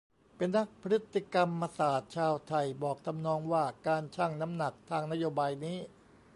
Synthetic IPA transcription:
pe˧nːa˦˥k̚pʰɾɯ˦˥t̪ʰːi˧˩ka˧mːaː˧saː˨˩t̪̚t͡ɕʰaː˧wt̪ʰa˧˩jbɔː˨˩k̚t̪ʰa˧mnɔː˧ŋwaː˥˩kaː˧nt͡ɕʰaː˥˩ŋna˦˥mna˨˩k̚t̪ʰaː˧ŋna˦˥joː˧baː˧jniː˦˥

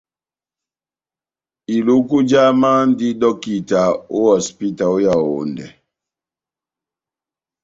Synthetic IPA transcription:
i˨lu˦ku˦d͡ʒa˦ma˦n˦di˦ɗɔ˦ki˦ta˨o˦wɔ˨spi˦ta˨o˦ja˨o̰˨ndɛ˨

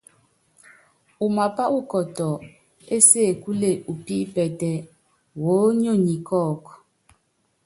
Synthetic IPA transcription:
u˨ma˨pa˦u˦kɔ˨tɔ˨ | e˦se˦˨ku˦le˦˨ʔu˨pi˦pɛ˨tɛ˦ | wo˨˦ɲo˦˨ɲi˨kɔ˦˨k

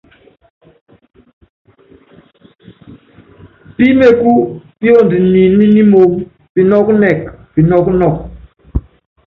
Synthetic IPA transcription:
pi˦me˦ku˦pi˦o˦˨ndi˨ni˨ni˦ni˦mo˨ŋ | pi˨nɔ˦knɛ˨kpi˨nɔ˦knɔ˦˨k̚

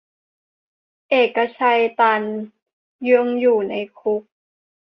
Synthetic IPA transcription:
ʔeː˨˩kːa˧t͡ɕʰa˧jt̪a˧n | jɯ˧əŋjuː˨˩na˧jkʰu˦˥k̚

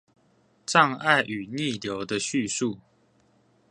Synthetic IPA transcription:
ʈ͡ʂɑ˥˧ŋa˥˨ɪʔy˨˩ni˥˨ljo˨˦ʊd̪ə˧ɕy˥˨su˥˨

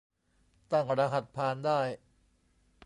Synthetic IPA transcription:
t̪a˥˩ŋɾaː˧ɦa˨˩t̪̚pʰaː˧ndaː˥˩j

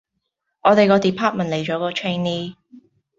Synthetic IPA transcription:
ʔɔː˨˧t̪e˨jkɔː˧t̪iː˨˩pʰaː˥t̚mɐ˨˩nle˨jt͡ʃɔː˨˥kɔː˧t͡ʃʰe˥niː˥

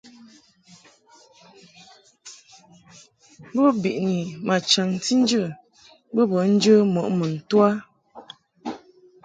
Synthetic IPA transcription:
bɔ˦bi˨ʔni˨mʔa˨t͡ʃa˨ŋ˨ti˦n̩˦d͡ʒə˦˨ | bə˦bɔ˨˦n̩˦d͡ʒə˦mɔ˨ʔmə˨n̩˨twa˦

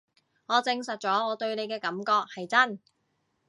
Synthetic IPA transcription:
ŋɔː˨˧t͡sɪ˧ŋsɐ˨t̚t͡ʃɔː˨˥ŋɔː˨˧t̪ɵ˧ɥne˨˧jkɛː˧kɐ˨˥mkɔː˧k̚hɐ˨jt͡sɐ˥n

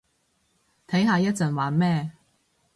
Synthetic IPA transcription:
t̪ʰɐ˨˥jɦaː˧jɐ˥t̚t͡sɐ˨˩nwaː˨˥nmɛː˥˧

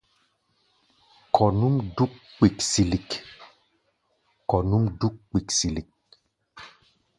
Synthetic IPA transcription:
kʰɔ˨nu˦mdu˦kk͡pi˨ksi˨li˨k | kɔ˨nu˦mdu˦kk͡pi˨ksi˨li˨k̚

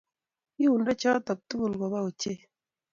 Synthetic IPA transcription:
i˦u˨ndɛ˦t͡ʃɔ˦tɔ˨k̚tu˦ɡu˨lɡɔ˨ba˦u˨t͡ʃe˦˨

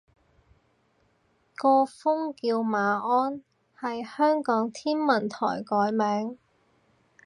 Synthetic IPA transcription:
kɔː˧fʊ˥ŋkiː˧wmaː˨˧ʔɔː˥n | hɐ˨jhœː˥ŋkɔː˨˥ŋt̪ʰiː˥nmɐ˨˩nt̪ʰɔ̰ː˨˩jkɔː˨˥jmɛː˨˥ŋ

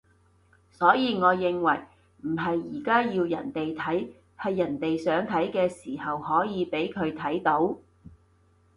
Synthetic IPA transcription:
sɔː˨˥jiː˧ŋɔː˨˧jɪ˨˧ŋwɐ̰˨˩j | m̩˨˩ɦɐ˨jːiː˨˩kaː˥jiː˧wjɐ˨˩nt̪e˨jt̪ʰɐ˨˥j | hɐ˨jːɐ˨˩nt̪e˨jsœː˨˥ŋt̪ʰɐ˨˥jkɛː˧siː˨˩hɐ˨whɔː˨˥jiː˨˧pe˨˥jkʰɵ˨˧ɥt̪ʰɐ˨˥jt̪o˨˥w

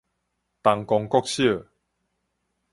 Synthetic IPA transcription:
t̪a˨ŋkɔ˧ŋkɔ˦˧k̚ɕjə˥˨

